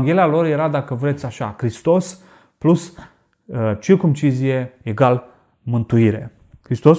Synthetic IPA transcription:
ŋɡʲe̞lialo̞rje̞ɾad̪akəvɾet̪sʲaʃakɾist̪o̞s | plus | t͡ʃirkumt͡ʃizije̞eɡal | mɨnt̪uiɾe̞̰ | kɾist̪o̞s

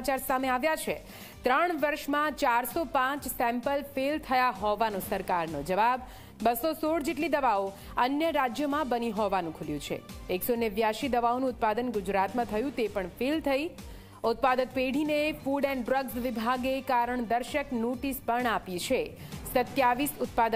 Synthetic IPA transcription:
t͡ʃaɾsameaʋjat͡ʃʰe | t̪ɾəɳʋəɾʃmãt͡ʃaɾsopãt͡ʃsɛ̃mpəlfelt̪ʰəjaɦɔʋanõsəɾkaɾno̰d͡ʒəʋab | bəsosoɽd͡ʒeʈ̬lid̪əʋao | ənjəɾad͡ʒjəmãbəniɦɔʋanũkʰuljũt͡ʃʰḛeksoneʋjaʃid̪əʋaonũʊt̪̚pad̪ənɡʊd͡ʒɾat̪mãt̪ʰəjũt̪epəɳfʰelt̪ʰəi | ʊt̪̚pad̪ək̚peɽ̤inefuɖɛnɖɾəɡzʋibʱaɡekaɾəɳd̪əɾʃəknoʈispəɳapit͡ʃʰesət̪jaʋisʊt̪̚pad̪ə

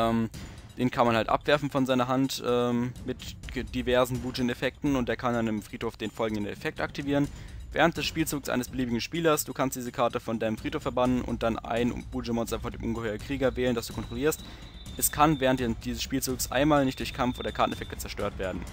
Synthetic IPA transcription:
ʔɛːmd̥eːnkʰanmanhaltʔa̰pv̥ɛɐfn̩fɔnzaɪnɐɦantʔɛːmmɪtd̥ivɛɐzn̩buːd͡ʒɪnɛfɛk̚tn̩ʊntd̥eːɐkʰandanɪmfʁ̥iːthoːfd̥eːnfɔlɡŋ̩dənɛ̰fɛk̚tʔak̚tiviːʁənvɛ̰ːʁ̞əntd̥ɛsʃpiːlt͡suːksʔa̰ɪnəsb̥əliːbɪɡŋ̩ʃpiːlɐsd̥uːkʰanstd̥iːzəkʰaɐtəfɔndaɪnəmfʁ̥iːthoːfɛɐbanənʔʊ̰nt̚d̥ana̰ɪn̰b̥uːd͡ʒəmɔnstɐfɔndeːmʔʊnɡəhɔʏn̩kʁ̥iːɡɐvɛːləndasd̥uːkʰɔntʁ̥oliːɐst | ʔɛskʰanvɛːʁ̞əntd̥iːzəsʃpiːlt͡suːksʔa̰ɪnmaːlnɪçtd̥ʊɐçkʰamfʔoːdɐkʰaɐtn̩ɛfɛk̚tə̥t͡sɛɐʃtøːɐtv̥eːɐdn̩

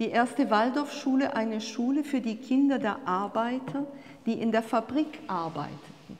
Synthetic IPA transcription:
d̥iːʔeːɐstəvaldɔɐfʃuːləʔaɪnəʃuːləfyːɐdiːkʰɪndɐdeːɐʔaɐbaɪtʰɐ | d̥iːʔɪndeːɐfabʁiːkʔaɐba̰ɪtʰə̥tn̩

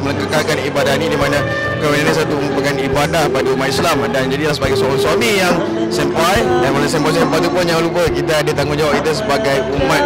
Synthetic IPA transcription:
mələkakakanibadahnĩdimanə̃ | kɔminanis̬at̪uumapəkanibadahpadaumat̪̚islamdand͡ʒadilahs̬əbaɡajsɔɔŋswamijaŋ | sɛmpajdanmanas̬ɛmpajs̬ɛmpajt̪upʊnjaŋlupəkit̪aːdət̪aŋɡʊnd͡ʒawap̚it̪us̬əbaɡajumãt̪̚

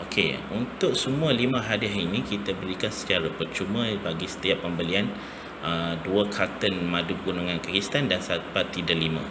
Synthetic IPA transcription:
ʔokʰḛunt̪ʊk̚səmũalimə̃ɦadiaɦinĩkit̪abəɾikansə̥t͡ʃaɾapərt͡ʃumə̃baɡisə̥t̪iapːəmbəlian | əduəkʰat̪ənmãduɡunuŋãnkaɡist̪andansatpat̪idəlimã̰

